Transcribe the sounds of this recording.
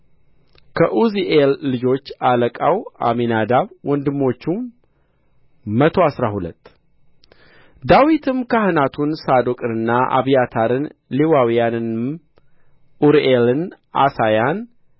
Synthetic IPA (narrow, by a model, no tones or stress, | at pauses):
kʰəʔuziʔelːɨd͡ʒo̞t͡ʃːaləkʼawa̰minad̪aβwɔnd̪ɨmːo̞t͡ʃːu | mət̪ʰo̞asɾahulə̰t̪ː | d̪awit̪ʰɨmkʰahɨnat̪ʰunsad̪o̞kʼɨnɨnːaʔa̰βijat̪ʰaɾɨnliwawijanɨn | ʔuɾʔelɨnʔa̰sajan